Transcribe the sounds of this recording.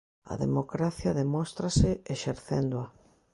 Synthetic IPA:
ɐ̰ðemokɾaθjɐðemost̪ɾasɪeʃeɾθḛnd̪oa

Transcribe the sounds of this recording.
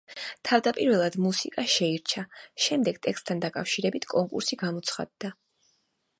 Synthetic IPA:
t̪ʰavd̪apʼiɾvɛlˠad̪musikʼaʃɛiɾt͡ʃʰaʃɛmd̪ɛɡ̥t̪ʼɛkst̪ʰand̪akʼafʃiɾɛbit̪ʰkʼɔŋkʼṵɾsiɡamɔt̪sʰχa̰d̪ːa

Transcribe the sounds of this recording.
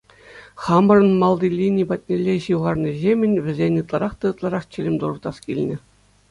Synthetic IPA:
χɑmɤ̆rɤ̆nmɑlˠd̪ilʲinʲipɑt̪̚ʲnʲelʲːeɕɯʁɑrnʲɤ̆zʲemʲɘ̆nʲʋʲɘ̆zʲenʲɯt̪lˠɑɾɑχt̪ɑɯt̪lˠɑɾɑχt͡ɕĕlʲɘ̆mʲd̪urɤ̆rt̪ɑskʲilʲnʲɘ̆

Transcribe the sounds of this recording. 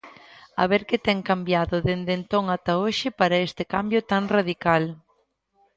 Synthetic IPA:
a̰βeɾkɪt̪ɛŋkambjaðʊðend̪ent̪oŋat̪aoʃɪpaɾɐest̪ɪkambjʊt̪aŋraðikal

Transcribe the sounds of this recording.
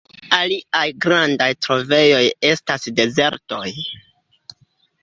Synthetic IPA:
aliajɡɾandajtɾo̞ve̞jo̞je̞stasde̞ze̞ɾto̞j

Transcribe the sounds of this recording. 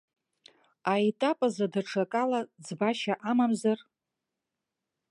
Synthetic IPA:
aetʼapʼazadaʈ͡ʂʰakʼalad͡zbaʃaʔamamzar

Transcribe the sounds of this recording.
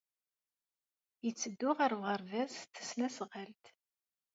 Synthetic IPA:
jət͡sːəd̪ːʊʁəɾvʁəɾvæzt̪ːə̥snæsʁəlt̪

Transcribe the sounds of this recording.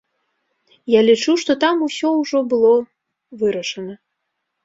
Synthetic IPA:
jalʲit͡ʂuʂt̪ɔt̪amusʲɔwʐɔbɨlˠɔ | vɨɾɐʂɐnɐ

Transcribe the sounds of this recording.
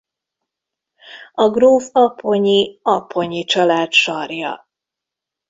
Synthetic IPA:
ɒɡruːfɒpʰːo̞ɲiɒpʰːo̞ɲit͡ʃɒlaːt̪ʃɒrjɒ̰

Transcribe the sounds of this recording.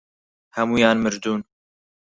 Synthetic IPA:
hɛmuːjaːnmɨɾd̪uːn

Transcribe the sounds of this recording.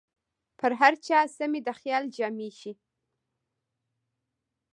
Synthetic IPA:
pʰəɾɦaɾt͡ʃɑsamid̪əxjɑld͡ʒɑmiʃi

